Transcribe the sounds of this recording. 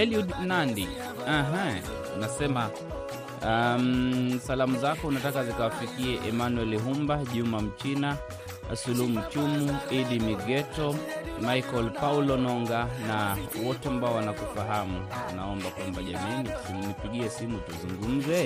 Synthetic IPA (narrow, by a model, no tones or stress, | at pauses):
hɛliudnandi | aɦa | nasɛma | amsalamuzakɔunatakazikawafikiɛʔɛmanuwɛliɦumbaʄumam̩t͡ʃina | sulum̩t͡ʃumuiɗimiɠɛtɔmajkɔlpaulɔnɔŋɡanawɔtɛambaɔwanakufaɦamuwa̰naɔmbakwambaʄaminisinipiɠiɛsimutuzuŋɡum̩zɛ